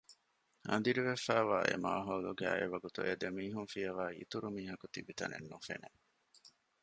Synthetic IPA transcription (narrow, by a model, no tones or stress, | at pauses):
ɐ̰nd̪iɾiʋefæːʋaːʔḛma̰ːɦɐːluɡæ̰ːeʋɐɡut̪uʔed̪emiːɦunfiɐʋæːḭt̪uɾumiːɦɐkut̪ibit̪ɐnḛnːufḛne